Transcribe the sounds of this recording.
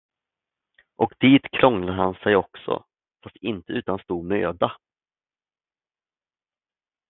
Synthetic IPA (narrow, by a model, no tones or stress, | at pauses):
ʔɔkd̪̥iːt̪kʰɾɔŋlaɦansɛjɔksɔ̰ | fast̪ɪnt̪əʉ̟ːt̪anst̪uːd̪møːd̪a